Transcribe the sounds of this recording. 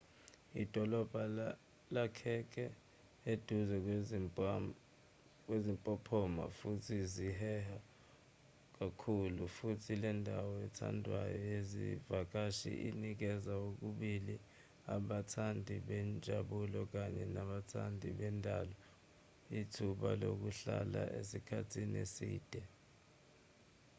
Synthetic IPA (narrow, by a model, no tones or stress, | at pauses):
id̥ʱɔlɔb̥ʱa | lakʰɛk̬ʰʼɛ | ed̥ʱuzɛ | k̬ʼwezimpʼɔpʰɔma̰futʰiziɦɛha | k̬akʰulufutʰilɛndʱawɔɛtʰa̰ndʱwa̰jɔjezḭvak̬aʃḭʔinik̬ɛzaok̬uɓili | aɓatʰandʱiɓɛnd͡ʒʱaɓulɔk̬aɲɛnaɓatʰandʱiɓɛndʱalɔ | itʰuɓalok̬uɬalaʔesikʰatʰinesḭːd̥ʱɛ